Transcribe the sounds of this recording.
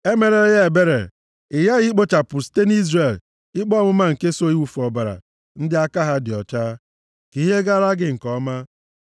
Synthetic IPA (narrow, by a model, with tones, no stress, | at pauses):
e˦me˨ɾe˦ja˦e˨be˦ɾḛ˨ | ɪ˨ja˦ɣi˦k͡po˦t͡ʃa˨pʊ˨ste˦n˦i˦zɾe˨l | ɪ˦k͡pɔ˦mʊ˦ma˦ŋ̩˨ke˦so˦i˦wu˨fɔ˨ba˨ɾa̰˨ | n̩˦dɪ˦a˦ka˦ɦa˦dɪ˨ɔ˨t͡ʃa˦ | ki˨˦ɦe˦ɡa˦ɾa˦ɡɪ˦ŋ̩˨kɔ˦ma˦